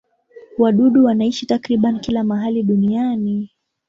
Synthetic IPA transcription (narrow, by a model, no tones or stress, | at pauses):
waɗuɗuwanaiʃitakɾiɓanikilamaɦaliɗuniani